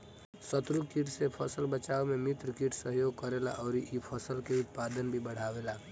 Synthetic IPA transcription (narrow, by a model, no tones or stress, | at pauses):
sət̪ɾukiʈʰsepʰəsəlbət͡ʃaːomẽmɪt̪ɾkɪʈʰsəɦjoːɡ̚kəɾela̰ʔɔːɾʔipʰəsəlkeʊt̪̚paːd̪ənbʱibəɽ̤aːʋeːlaː